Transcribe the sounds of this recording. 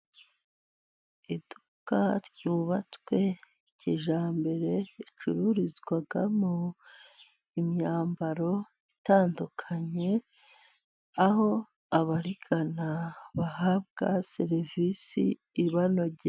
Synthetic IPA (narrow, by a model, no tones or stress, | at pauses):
idu | kaɾɟuːβat͡swe̞ | iciʒaːmbe̞ɾe̞it͡ʃuɾuɾizɡwaɡamo | imɲaːmbaɾo̞ | itaːndukʰaɲe̞ | aho̞ | aβaɾiɡanaβaɦabɡaseɾvisḭː | βano̞ɟe